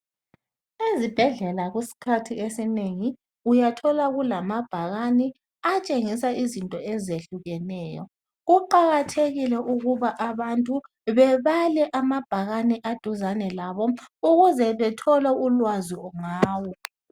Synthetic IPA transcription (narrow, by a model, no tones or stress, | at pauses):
ezib̥ʱɛɮɛlaɣisi̥kʰatʰiesineŋi | ujatʰɔlaɣulamab̥ʱaɣani | at͡ʃʼeŋisaizintʼɔɛzeɬuɣɛnɛːjɔ̰ | ɣuǃaɣatʰeɣilɛʔuɣuβaʔaβantʼu | βɛβalɛʔamab̥ʱaɣaniʔad̥ʱuzanɛlaβɔuɣuzɛβɛtʰɔlɛulwaziɔŋaːwɔ